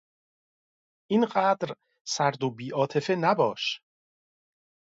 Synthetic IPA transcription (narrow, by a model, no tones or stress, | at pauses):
ʔiːnɢæːd̪ɾ | sæɾd̪obiːʔɒːt̪ʰe̞fe̞næbɒːʃ